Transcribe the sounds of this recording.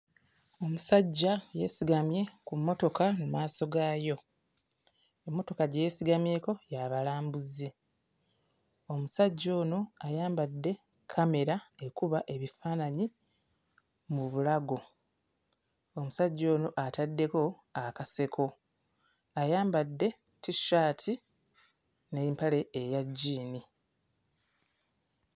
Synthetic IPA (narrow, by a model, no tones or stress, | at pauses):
o̞musaɟːaje̞̰siɡamje̞kumːo̞to̞kanumaːso̞ɡaːjo̞ | emːo̞to̞kaɟeːsiɡamje̞ko̞jaβalaːmbuze | o̞musaɟːo̞ːno̞ajaːmbadːe̞ | kʰame̞ɾae̞kuβaʔe̞βifaːnaɲi | muβulaɡo̞ | omusaɟːo̞ːno̞ʔatadːe̞ko̞ | akase̞kʰo̞ | ajaːmbadːe̞ | tiʃaːtʰi | neimpale̞ːjaɟːiːni